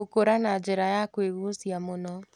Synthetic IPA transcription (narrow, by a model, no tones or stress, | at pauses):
okoɾanad͡ʒeɾajakweɣusjamonɔ